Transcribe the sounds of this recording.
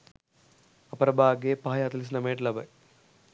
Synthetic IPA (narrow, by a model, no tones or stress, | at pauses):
ɐpɐɾɐbʱaːɡepaːjaːt̪ɐlis̬nɐmeːʈlɐbɐ